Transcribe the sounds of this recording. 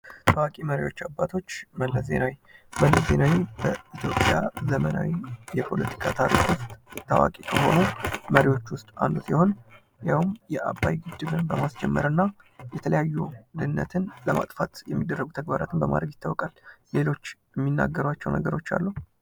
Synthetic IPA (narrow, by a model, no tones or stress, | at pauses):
t̪ʰawakʼiməɾiwo̞t͡ʃːabːat̪ʰo̞t͡ʃːməlːəze̞̰nawiməlːəze̞nawibəit̪ʰjo̞pʼjazəmənawijɛpʰo̞̰lət̪ʰi̥kʰat̪ʰaɾikwʊst̪ʼt̪ʰːawa̰kʼikʰəho̞̰numəɾiwo̞t͡ʃːwʊst̪ʼa̰nd̪usjɛho̞n | jawmjɛʔabːajɡɨd̪ːɨbɨnbəmasd͡ʒɛmːəɾɨnːa | jɛt̪ʰələjajːud̪ɨnːə̰t̪ʰɨnləma̰t̪ʼfat̪jɛmːid̪ːərːəɡut̪ʰəɡ̚baɾat̪ʰɨnbəma̰d̪ɾəɡjɪt̪ʰːawɔkʼalle̞lo̞t͡ʃːjmːinːa̰ɡːəɾwat͡ʃːɛwnʔəɡəɾo̞t͡ʃːa̰lːu